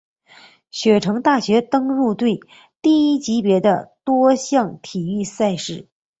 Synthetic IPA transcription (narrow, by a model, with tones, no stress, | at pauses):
ɕɥɛ˨˩ʈ͡ʂʰɤ˧˥ŋt̪a˥˩ɕɥɛ˧˥t̪ɤ˥ŋɻu˥˧t̪we˥˩ɪ | t̪i˥˩i˥t͡ɕi˧˥pjɛ˧˥d̪ə̰˧t̪wɔ˥ɕjɑ˥˩ŋt̪ʰi˨˩y˥˧sa˥˧ɪʂɻ̩˥˩